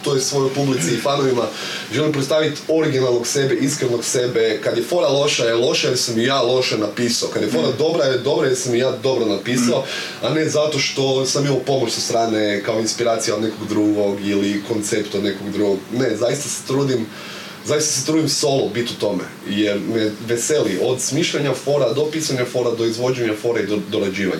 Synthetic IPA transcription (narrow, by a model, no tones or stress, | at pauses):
t̪ojesʋo̞jo̞jpublit̪siːfanoʋima | ʒelimpɾet̪st̪aːʋit̪o̞ɾiɡinalˠno̞ɡse̞beʔiskɾenoɡse̞bekad̪jefo̞ɾalˠo̞ʃajelˠo̞ʃajeɾsamijaːlˠo̞ʃanapiːsaokad̪jefo̞ɾad̪o̞bɾajd̪o̞bɾajeɾsamijaːd̪o̞bɾonapiːsao | ane̞zat̪o̞ʃt̪o̞samimalupo̞mot͡ʃsost̪ɾaːnekao̞inspiɾaːt̪sijaod̪nekoɡd̪ɾuɡo̞ɡiliko̞nt̪sept̪od̪ne̞koɡd̪ɾuɡoɡnezajist̪ase̥t̪ɾuːd̪im | zajist̪ḁset̪ɾuːd̪imso̞lˠobit̪ut̪o̞mḛjeɾmɛʋeselio̞d̪smiːʃʎaɲafo̞ɾad̪o̞piːsaɲafo̞ɾad̪o̞izʋo̞d͡ʒeɲafo̞ɾaid̪od̪oɾad͡ʑiːʋa̰ɲa